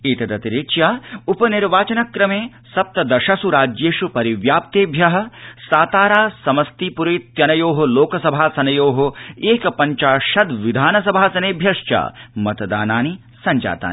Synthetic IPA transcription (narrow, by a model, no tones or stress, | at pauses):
iːt̪ɐd̪ɐt̪iɾikʃjaːupɐniɾʋaːt͡ʃɐnɐkɾɐmeː | sɐp̚t̪ɐd̪ɐʃɐsuɾaːd͡ʒjeːʃupɐɾiʋjaːp̚t̪eːbʱjɐɦɐ̆saːt̪aːɾaːsɐmɐst̪iːpuɾejt̪jɐnɐjoːɦoloːkɐsɐbʱaːsɐnɐjoːɦoeːkɐpɐɲt͡ʃaːʃɐd̪ʋid̪ʱaːnɐs̬ɐbʱaːsɐneːbʱjɐʂt͡ʃa̰ːmɐt̪ɐd̪aːnaːni | sɐɲd͡ʒa̰ːt̪a̰ːn